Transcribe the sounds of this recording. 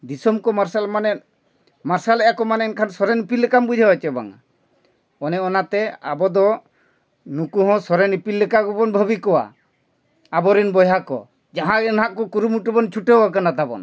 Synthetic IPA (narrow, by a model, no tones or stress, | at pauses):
d̪isɔmkɔmaɾsalmanɛ | maɾsalɛʔjakɔmanɛɛnkʰansɔɾɛnipilːɛkambud͡ʒʱaɦɔt͡ʃɛba̰ŋa̰ | ɔnɛɔnat̪ɛa̰bɔd̪ɔ | nukuɦɔ̃sɔɾɛnipilːɛkaɡubɔnbʱɔbikɔwa̰ | abɔɾinbɔjɦakɔ̰ | d͡ʒaɦãɛnɦaʔkɔkuɾumuʈubɔnt͡ʃʰuʈeɦwak̬anat̪abɔ̰n